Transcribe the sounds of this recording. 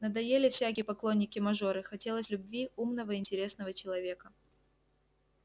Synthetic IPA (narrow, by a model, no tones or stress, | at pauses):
nəd̪ɐjelʲɪfsʲæk̬ʲɪjəpɐklˠo̞nʲːɪkʲɪmɐʐo̞ɾɨxɐtʲe̞lˠəsʲlʲʊbvʲiumnəvəɪnʲtʲɪɾʲe̞snəvət͡ɕɪlˠɐvʲe̞kə